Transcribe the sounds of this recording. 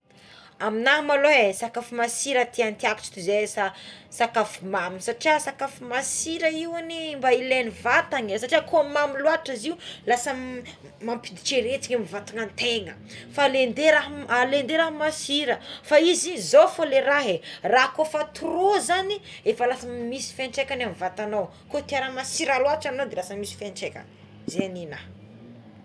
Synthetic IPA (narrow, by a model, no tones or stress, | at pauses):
aminaɦmaloesakafumasiɾət̪ʰiant̪iaku̥t͡ʃi̥t̪uzesasakafumamisaʈ͡ʂiasakafumasiɾəiwanimbailenivat̪aɲəsaʈ͡ʂiakoamamiluaʈ͡ʂaziulasə | mampid̪i̥t͡ʃeɾet͡si̥ɲamivat̪uŋant̪eŋə | falend̪eɾaɦalend̪eɾaɦamasiɾəfaizizofoleɾaɦerakofat̪urozaniefalasəmisi̥fenʈ͡ʂekanamivat̪anaw | kot̪iaɾənmasiɾaluaʈ͡ʂanawd̪elasəmisi̥fenʈ͡ʂekʲa̰n | zeanina